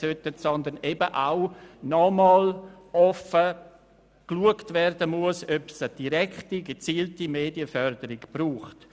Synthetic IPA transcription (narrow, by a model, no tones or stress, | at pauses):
søtətsɔnd̪ənebəʔaʊnɔmɑːl | ɔfə | kluəktvɛɾdəmuəsøpsəd̥iɾɛktiɡət͡siːltimeːdiəfœɾdəɾɪɡb̥ɾuːχt